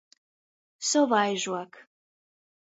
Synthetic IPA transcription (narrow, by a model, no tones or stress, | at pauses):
soβɑjʒuɑk